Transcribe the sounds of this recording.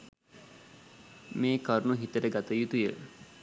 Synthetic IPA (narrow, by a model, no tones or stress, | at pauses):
meːkɐɾnuɦit̪əɾeɡat̪ɐjut̪ujə